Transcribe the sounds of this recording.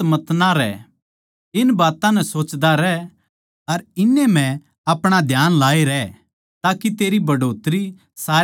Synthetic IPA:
mɐt̪naɾɛ̰ | ɪnbaːt̪ãnɛ̃soːt͡ʃd̪aɾɛ | ɐɾɪnːemɛ̃ | ɐpɽ̃ad̪ʱjaːnlaːiɾɛ | t̪aːkit̪eːɾibɐɖoːt̪ɾi | saː

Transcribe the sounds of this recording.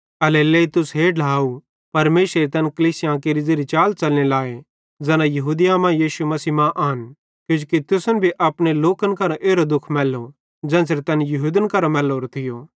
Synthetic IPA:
ɐleleːit̪ʊsɦeːɖlaːu | pɐɾmeːsɾəɾit̪ɐnkɐliːsɪjãk̬eːɾid͡zeːɾit͡ʃaːlt͡ʃɐlnelaːe | d͡zɛːnãjɐɦuːd̪ɪjãmãjiːʃumɐsiːmãʔaːn | kjʊ̃ːd͡ʒukit̪ʊsənbʱiʔɐpɽ̃eloːkənkɐɾãʔeːɾod̪ʊkʰmɛːlo | d͡ʒɛ̃ːs̬ɾit̪ɐnjɐɦuːd̪ənkɐɾamɛːloːɾt̪ʰɪjoː

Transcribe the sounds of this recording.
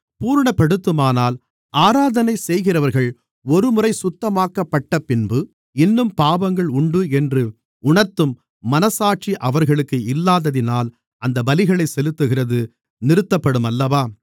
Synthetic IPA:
puːɾɳɐpːɐɽɯt̪ːɯmaːnaːl | ʔaːɾaːðɐnɐɪsɛjɣɪrɐʋɐɾɣɐɭ | ɔɾɯmʊrɐɪsʊt̪ːɐmaːkːɐpːɐʈːɐpɪnbɯ | ɪnːɯmpaːbɐŋɡɐɭʊɳɖɯɛndrɯ | ʊɳɐɾt̪ːɯmː | ɐnɐsaːʈ̚t͡ʃiʔɐʋɐɾɣɐɭɯkːɯɪlːaːðɐðɪnaːl | ɐnd̪ɐbɐlɪɣɐɭɐɪsɛlɯt̪ːɯɣɪrɐðɯ | nɪɾɯt̪ːɐpːɐɽɯmɐlːɐʋaː

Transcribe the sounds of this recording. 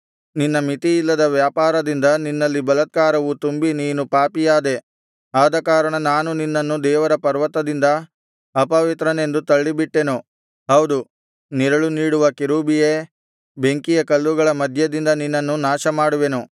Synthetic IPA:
ninːɐmit̪iilːɐd̪ɐʋjaːpaːɾɐd̪ind̪ɐninːɐlːibɐlɐt̪̚kaːɾɐʋut̪umbiniːnupaːpijaːd̪e̞ | aːd̪ɐkaːɾɐɳɐnaːnuninːɐnːud̪ɛːʋɐɾɐpɐɾʋɐt̪ːɐd̪ind̪ɐ | ɐpɐʋit̪ɾɐne̞nd̪ut̪ɐɭːibiʈːe̞nu | ɦɐwd̪u | niɾɐɭuniːɽuʋɐkiɾuːbije | be̞ŋkijɐkɐlːuɡɐɭɐmɐd̪ʱjɐd̪ind̪ɐninːɐnːunaːʃɐmaːɽuʋe̞nu

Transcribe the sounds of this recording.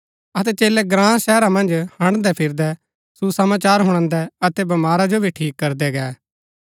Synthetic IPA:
ɐt̪̬ɛt͡ʃeːlɛɡɾãːsɛːɾamɐ̃nd͡ʒhɐ̃ɽ̃d̪ɛpʰɪɾd̪ɛ | susəmaːt͡ʃaːɾɦʊ̃ɽ̃ãnd̪ɛɐt̪ɛbɐmaːɾad͡ʒobʱiʈʰiːkːɐɾd̪ɛɡɛː

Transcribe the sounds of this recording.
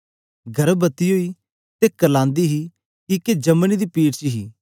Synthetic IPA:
ɡʱɐɾbət̪iɦoːi | t̪ekəlãːnd̪iɦi | kiked͡ʒɐmnid̪ipiːʈt͡ʃiɦiː

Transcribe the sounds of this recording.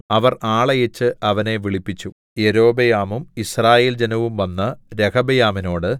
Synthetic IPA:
ɐʋɐraːɭɐjet͡ɕːɨɐʋɐne̞ʋiɭipːit͡ɕːu | e̞ɾo̞ːbɐjaːmumisraːjeːld͡ʑenɐʋumʋɐnːɐɾekɐbɐjaːmino̞ːɽɨ

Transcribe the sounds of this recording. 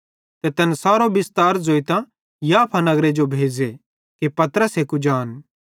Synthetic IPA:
t̪ɛt̪ɛːnsaːɾobɪst̪aːɾzoːit̪ã | jaːpʰanɐɡɾed͡ʒobʱeːd͡ʒe | kepɐt̪əɾəseːkud͡ʒaːn

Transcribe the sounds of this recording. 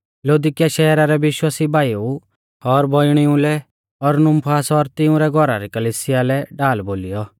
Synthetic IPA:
loːd̪ɪkɪjaʃɛːɾaɾɛʋɪʃwaːsibʱaːjou | ɔɾbɔɪɽ̃iũlɛ | ɔɾnʊ̃mpʰaːsɔɾt̪ɪũɾɛɡʱɔɾaɾɛkɐliːsɪjalɛɖaːlboːlijɔ

